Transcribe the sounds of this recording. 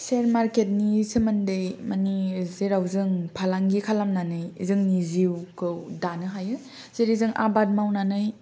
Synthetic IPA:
seɾmaɾket̚nisɯmandejmanizeɾawzɯŋpʰalaŋɡikʰalamnanɯjzɯŋniziwkʰɯwdanɯɦajɯ | z̥eɾizɯŋʔa̰bad̚mawnanɯj

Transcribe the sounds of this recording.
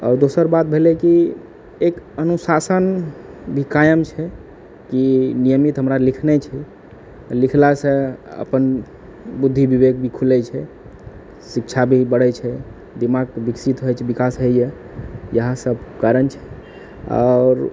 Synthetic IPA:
ɔ̰ːɾd̪osəɾbat̪̚bʱelɛki | ekənusasənbʱikajəmt͡ʃʰɛ | kinijəmit̪ɦəmɾalikʰnɛt͡ʃʰɛ | likʰlasə̃ə̰pən | bud̪ʱːibiβeɡbʱikʰulɛt͡ʃʰɛ | sikt͡ʃʰabʱibəɽɛt͡ʃʰɛ | d̪imaɡ̚biksit̪ɦojt͡ʃʰɛbikasɦeje | jəɦãsəbkaɾənt͡ʃʰɛ̥ | ɔ̰ɾ

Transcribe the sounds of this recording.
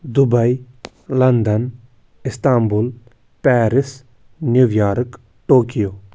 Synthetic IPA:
d̪ubɐi | lɐnd̪ɐn | ɪst̪aːmbul | pɛːɾɪs | njuʋjaːɾɨk | ʈoːkijoː

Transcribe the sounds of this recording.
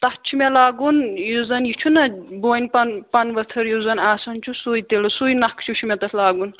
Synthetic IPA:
t̪ɐht͡ʃʰumelaːɡunjuzɐnjit͡ʃʰunɐboːnʲpɐnpɐnʋɐt̪ʰɐɾjuzɐnaːsɐnt͡ʃʰusujt̪elusujnɐkʰt͡ʃʰut͡ʃʰumet̪ɐsʰlaːɡun

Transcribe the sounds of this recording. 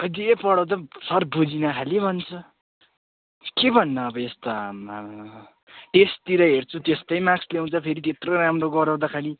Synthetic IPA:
ʌjd̪iepʌɽʌw̃t̪ʌsʌrbʱud͡zinʌkʰalibʱʌnt͡sʰʌ | kebʱʌnːʌːbʌest̪a | ʈest̪iɾʌɦert͡sʰut̪est̪ʌjmaksleũt͡sʰʌpʰeɾit̪et̪roɾamroɡʌɾaw̃d̪akʰaɽi

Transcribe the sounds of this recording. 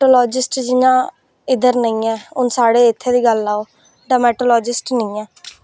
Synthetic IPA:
ʈoːlɔːd͡ʒɪsʈd͡ʒɪjãː | ɪd̪əɾnəĩːɛːʊnsaːɽeːɪt̪ʰːeːd̪iːɡəlːaːoː | ɖəːmɛːʈoːlɔːd͡ʒɪsʈnəĩːɛː

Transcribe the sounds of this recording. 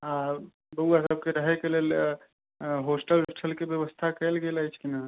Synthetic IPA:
ɦã | bəuasəb̚keɾəɦekelel | ɦoːsʈəlsʈʰəlkebjəʋəst̪ʰakɛlɡelait͡ʃʰkina

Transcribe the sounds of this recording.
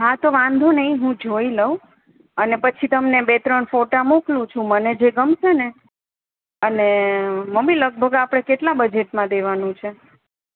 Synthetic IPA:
ɦat̪oʋãnd̪ʱonəɦĩɦũd͡ʒʱoiləũ | ənepət͡ʃʰit̪əmnebet̪ɾəɳfoʈamoklũt͡ʃʰũməned͡ʒeɡəmʃʰene | əneməmːiləɡ̚bʱəɡapɽ̃ekeʈlabəd͡ʒeʈmãd̪eʋanũt͡ʃʰe

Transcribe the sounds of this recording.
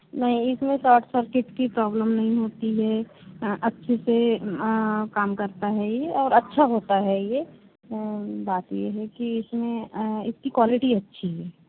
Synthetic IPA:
nɐɦĩɪsmẽsɔːʈʰsəɾkɪʈkipɾɔːbləmnɐɦĩɦoːt̪iɦɛʔɐtːʃʰese | kaːmkɐɾt̪aɦɛjeɔːɾɐtːʃʰaɦoːt̪aɦɛje | baːt̪jeɦɛkiɪsmẽɪskikwaːlɪʈiɐtːʃʰiɦɛː

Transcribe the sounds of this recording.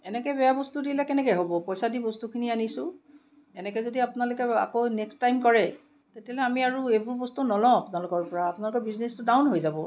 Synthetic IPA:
ɛnɛkɛbɛjabɔstudilɛkɛnɛkɛɦobɔpɔjsadibɔstukʰinianisʊ̃ | ɛnɛkɛzodiapʊnalʊkɛa̰konɛkstajmkɔɹɛ | tetialɛamiaɹuebuɹbɔstunɔlɔ̃apʊnalʊkɔɹpɔɹaːpʊnalʊkɔbiznestʊdawnɦojzabɔ

